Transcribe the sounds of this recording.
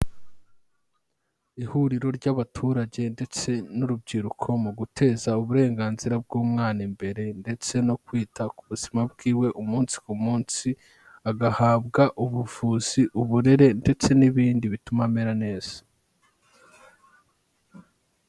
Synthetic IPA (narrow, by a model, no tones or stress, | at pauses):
ihuɾiɾo̞ɾɟaβatʰuːɾaɟe̞nde̞t͡se̞nuɾubɟiːɾukʰo̞muɡutʰe̞ːzauβuɾe̞ːŋɡaːnziɾab̚ɡuːmŋaːnimbe̞ɾe̞nde̞t͡se̞no̞kwiːtʰakuβuz̥imab̚ɡiːwe̞ʔumuːnsi̥kumuːnsi | aɡahaːbɡaʔuβuvuːz̥iʔuβuɾe̞ɾe̞nde̞t͡se̞niβiːndiβitumameɾane̞ːz̥ḁ